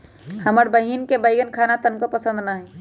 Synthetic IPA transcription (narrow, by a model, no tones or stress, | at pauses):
həməɾbəɦinkebəjɡənkʰanat̪ənkopəsə̃nd̪naɦi